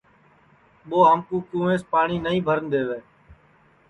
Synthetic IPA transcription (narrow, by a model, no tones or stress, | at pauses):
ɓoːɦamkũːkũːʋẽːspaːɳiːnəĩːbʱəɾənd̪eːʋeː